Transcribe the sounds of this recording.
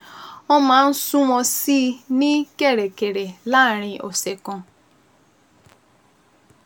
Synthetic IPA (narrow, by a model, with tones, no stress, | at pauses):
ɔ˦ma˨˦n̩˦su˦wɔ̃˧siː˦ni˦ke˦˨ɾe˨ke˨ɾe˨la˦˨ɾ̃ɪ̃˧ʔɔ˨se˨kɔ̃˧